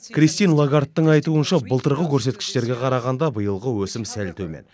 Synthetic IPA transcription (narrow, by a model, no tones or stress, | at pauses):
krist̪ijnlˠaɡart̪ːəɴɑjt̪uənʃɑbəlˠt̪əɾʁəkʲʰɵɾse̞t̪̚kʲɪ̥ʃt̪e̞ɾɡʲe̞qʰɑɾɑʁɑnd̪ɑbəjəlˠʁəwɵsɪmsælt̪ʰɵmḛn